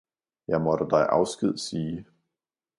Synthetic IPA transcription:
jɑ̈ɪmɒ̽ɾ̥əd̥ɑ̈ɪʔɑ̈ʊsɡ̥ið̞̰ˠsiː

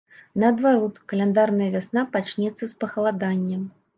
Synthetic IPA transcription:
nɐːd̪vaɾɔt̪kɐlʲɛnd̪arnɐjɐvʲasnapat͡ʂnʲɛt̪sːɐspɐxɐlˠad̪anʲːɛm

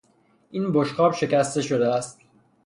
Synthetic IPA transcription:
ʔinboʃxɒːbʃe̞cæst̪e̞ʃod̪eæst̪̚

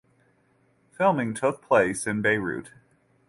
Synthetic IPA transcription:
fɪlˠmɪ̃ŋtʰʊk̚pʰl̥eɪsɨ̃nbeɪɹʉ̰t̚

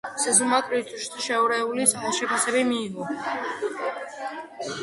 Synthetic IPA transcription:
sɛzumakʼɾit̪ʰʼuʃt̪ʰiʃɛuɾɛulisalˠʃɛpʰasɛbimiːʁɔ

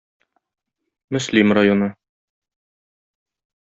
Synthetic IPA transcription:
mɵ̆slimrajonɤ

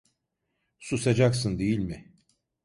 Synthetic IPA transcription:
susad͡ʒaksɯnd̪ejilʲmɪ

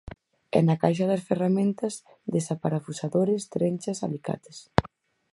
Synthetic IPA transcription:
ɛ̰nɐkajʃɐðɐsferamẽnt̪ɐz | ðesapaɾafusaðoɾɪst̪ɾenʲt͡ʃɐsa̰lika̰t̪ɪs

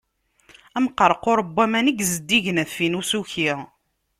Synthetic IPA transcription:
æmqːəɾˤqʊɾˤəbːæmænəɡzəd̪ːiʝənæθfinusuçi

